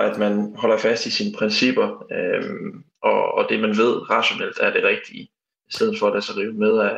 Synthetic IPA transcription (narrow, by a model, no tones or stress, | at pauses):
æd̥mænɦɒ̽l̰ɐfæsd̥isiːnəpʰʁɛnsib̥ɐ | ʔɒːd̥e̝mænʋe̝ð̞̰ˠʁɑ̈ɕo̝nel̰d̥æɐd̥e̝ʁɛɡ̥̚d̥i | isd̥eð̞̩ˠfɒ̽æd̥æsɐʁiʊmeð̞ˠæ